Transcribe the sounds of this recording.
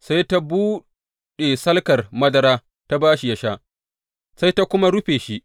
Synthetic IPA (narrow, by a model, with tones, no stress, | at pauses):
sa˦jta˦buː˦ | ɗe˨sɐ˦lkɐ˨rmɐ˦dɐ˦ɾaː˦ | ta˦baː˦ʃi˦jɐ˦ʃaː˦ʔ | sa˦jta˦kʷʊ˦ma˦ɽʊ˦ɸeː˨ʃi˦ʔ